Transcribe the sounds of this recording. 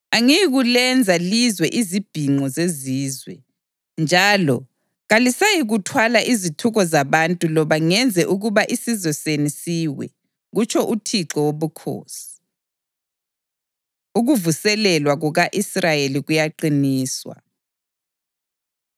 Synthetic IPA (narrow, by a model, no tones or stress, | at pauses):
aŋijɣulɛnd͡zʱalizwɛʔizib̥ʱiŋ͡ǃɔzeziːzwɛ̰ | nd͡ʒʱalɔ | ɣalisajiɣutʰwalaʔizitʰuɣɔzaβantʼulɔβaŋɛnd͡zʱɛʔuɣuβaʔisizwɛsenisiwɛ̰ | ɣut͡ʃʰɔʔutʰiǁɔwoβukʰo̰ːsi̥ | uɣuvusɛlɛlwaɣuɣaʔisrajeliɣujaǃiniːswa̰